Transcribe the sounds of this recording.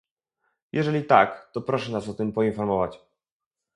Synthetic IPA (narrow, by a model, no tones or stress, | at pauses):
jʔɛʐɛlʲit̪a̰kt̪ɔpɾɔʂɛnasɔt̪ɘmpɔinfɔɾmɔvat͡ɕ